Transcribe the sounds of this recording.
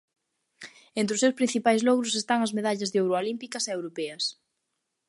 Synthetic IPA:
ent̪ɾɪʊsewspɾin̟θipajzlɔɣɾʊsest̪aŋɐzmeðaʎɐzðɪowɾoalimpikɐseewɾopɛɐs

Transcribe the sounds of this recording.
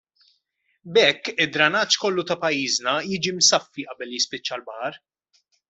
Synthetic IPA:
bɛkːɪd̪ɾɐnɐːt͡ʃːkɔlːut̪ɐpɐjːiːznɐjiːd͡ʒimsɐfːiʔɐbɛlːjɪspɪt͡ʃːɐlbɐhɐɾ

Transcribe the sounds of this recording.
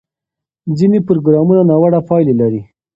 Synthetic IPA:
d͡zinepʊɾoɡɾɑmunanawaɽapɑjlelaɾi

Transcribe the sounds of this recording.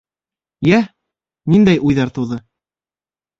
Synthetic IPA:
jæ | nind̪æjʔujðɑɾt̪ɤ̆wðɤ

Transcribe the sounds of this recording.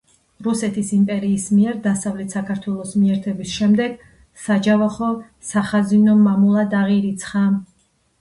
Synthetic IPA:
ɾusɛt̪ʰisimpʼɛɾiːsmiɛɾd̪asavlɛt̪ʰsakʰaɾt̪ʰwɛlˠɔsmiɛɾt̪ʰɛbisʃɛmd̪ɛɡ̥ | sad͡ʒavaχɔ | saχazinɔmamulˠad̪aʁiɾit̪sʰχa

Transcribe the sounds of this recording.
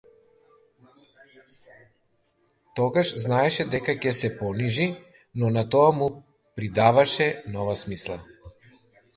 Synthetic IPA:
t̪ɔɡaʃznaɛʃɛd̪ɛkacɛsɛpɔniʒi | nɔnat̪ɔamu | pɾid̪avaʃɛnɔvasmislˠa

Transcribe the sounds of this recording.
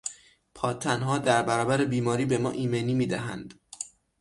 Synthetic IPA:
pʰɒːt̪ʰænɦɒːd̪æɾbæɾɒːbæɾebiːmɒːɾiːbe̞mɒ̰ːʔiːmeniːmiːd̪æɦæ̰nd̪̥

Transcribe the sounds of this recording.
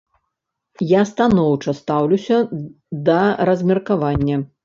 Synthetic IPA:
jast̪anɔwt͡ʂɐst̪awlʲusʲɐ | d̪ɐɾɐzʲmʲɛrkavanʲːɐ

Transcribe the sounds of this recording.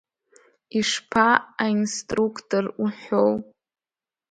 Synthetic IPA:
iʂpʰaainstʼrukʰtʰʼoruħow

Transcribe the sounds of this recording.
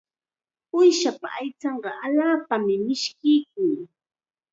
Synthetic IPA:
ʊjʃapa̰ʔajt͡sɑɴɢɑʔaʎaːpamɪmɪʃkɪjk̚ʊŋ

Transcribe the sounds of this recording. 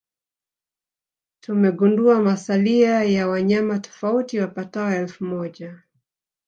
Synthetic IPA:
tumɛɡunduamasaliajawaɲamatɔ̥fautiwapataɔɛlfumɔʄa

